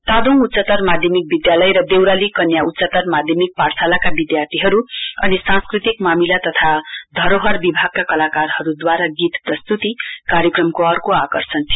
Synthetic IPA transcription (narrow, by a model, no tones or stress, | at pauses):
t̪ad̪oŋut̪sʌt̪ʌrmad̪ʱjʌmik̚bid̪jalʌjɾʌd̪ewɾalikʌnjaut̪ːsʌt̪ʌrmad̪ʱjʌmik̚parsʰalakabid̪jart̪ʰiɦʌɾuʌ̰nisãnskrit̪ikmamilat̪ʌt̪ʰad̪ʱʌɾoɦʌrbibʱaɡ̚kakʌlakarhʌɾud̪waɾaɡit̪prʌst̪ut̪ikaɾjʌkrʌmkoʌrkoakʌrsʰʌnt̪ʰ